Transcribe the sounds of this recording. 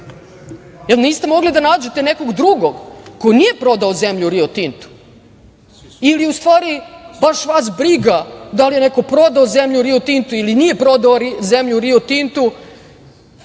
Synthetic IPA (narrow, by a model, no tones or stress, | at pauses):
elniːst̪e̞mo̞ɡlid̪anaːd͡ʑet̪e̞neko̞ɡd̪ɾuɡoɡkojnije̞pɾo̞d̪aozemʎuɾiot̪int̪u̥ | iliust̪ʋaːɾibaʃʋasbɾiɡad̪alije̞neko̞pɾo̞d̪aozemʎuɾiot̪int̪uilinije̞pɾo̞d̪aozemʎuɾiot̪int̪u